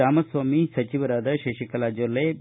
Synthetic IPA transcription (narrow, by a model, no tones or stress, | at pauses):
aːmɐsʋaːmisɐt͡ʃiʋɐɾaːd̪ɐʃeʃikɐlaːd͡ʒolːe